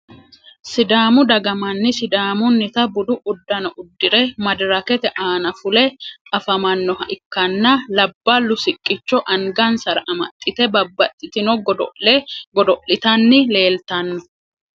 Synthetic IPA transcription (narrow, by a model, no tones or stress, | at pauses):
sɪd̪aːmʊd̪ɐɡɐmɐnːɪsɪd̪aːmʊnːɪt̪ɐbʊd̪ʊʔʊd̪ːɐnɐʔʊd̪ːɪɾɛmɐd̪ɾɐkɛt̪ɛʔaːnɐfʊlɛɐfɐmɐnːɔhɐʔɪkːɐnːɐlɐbːɐlːʊsɪkʼːɪt͡ʃːɔʔɐŋɡɐnsɐɾɐʔɐmɐ̰t̪ʼːɪt̪ɛbɐbːɐt̪ʼːɪt̪ɪnɔɡɔd̪ɔ̰ʔɛɡɔd̪ɔʔɪt̪ɐnːɪle̞ːlt̪ɐnːɔ